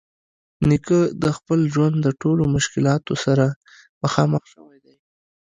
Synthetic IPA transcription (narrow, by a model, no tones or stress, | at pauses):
nikəd̪əxpəlʒwand̪ːəʈolomʊʃkɪlɑt̪osaɾa | məxɑməxʃəwajd̪aj